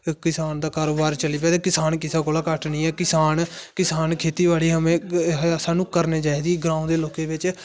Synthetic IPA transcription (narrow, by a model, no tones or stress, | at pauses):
kɪsaːnd̪aːkaːɾoːbaːɾt͡ʃəliːpɛːt̪eːkɪsaːnkɪsaːkoːlaːkəʈnĩːɛːkɪsaːnkɪsaːnkʰeːt̪iːʋaːɽiːɦəmẽːsaːnũːkəɾneːt͡ʃaːiːd̪iːɡɾãːõːd̪eːloːkeːbɪt͡ʃ